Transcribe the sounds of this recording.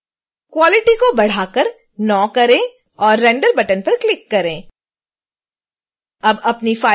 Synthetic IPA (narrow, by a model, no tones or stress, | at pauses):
kwɔːlɪʈikobɐɽ̤aːkəɾ | nɔːkɐɾẽː | ɔːɾːɛ̃ɳɖəɾbɐʈənpɐɾklɪkːɐɾẽː | ɐbɐpnifaː